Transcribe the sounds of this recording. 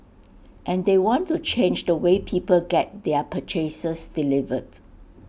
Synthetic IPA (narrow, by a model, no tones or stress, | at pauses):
ʔɛ̃ndewɔ̃ntːut͡ʃẽnd͡ʒdəwepʰiːpəlɡɛt̚dɛəpʰət͡ʃʰesəsdilivəd